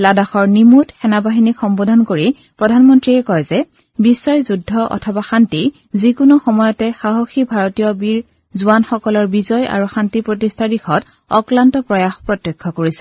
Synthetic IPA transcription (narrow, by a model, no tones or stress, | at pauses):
ladaxɔɹnimutxɛnabaɦinikxɔmbɔdʱɔnkoɹi | pɹɔdʱanmɔntɹiɛkɔjzɛ | bisːɔjzudʱːɔʔɔ̰tʰɔbaxanti | zikʊnuxɔmɔjɔtɛxaɦoxibʱaɹɔtijɔbiɹ | zuanxɔkɔlɔɹbizɔja̰ɹuxantipɹotistʰaɹixɔt | ɔklantɔpɹɔjaxpɹɔtːekʰːɔkoɹisɛ̥